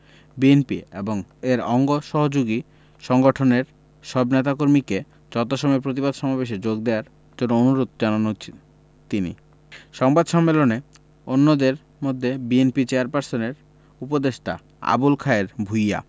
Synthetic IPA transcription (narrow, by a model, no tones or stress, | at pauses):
bienpiḛboŋeɾɔŋɡoʃɔɦod͡ʑoɡi | ʃɔŋɡoʈʰoneɾ | ʃɔbnet̪akoɾmike | d͡ʑɔt̪̬oʃɔmeɾpɾot̪̬ibad̪ʱʃɔmabeʃ̬ed͡ʑoɡd̪eoaɾ | d͡ʑonːoonuɾod̪̚d͡ʑananɦot͡ɕʰi̥ | t̪inḭ | ʃɔŋbad̪ʃɔmːelone | onːod̪eɾ | mod̪ʱːebienpit͡ɕeaɾpaɾsoneɾ | upod̪eʃʈ̪a̰ | a̰bulkʰaeɾbʱuja̰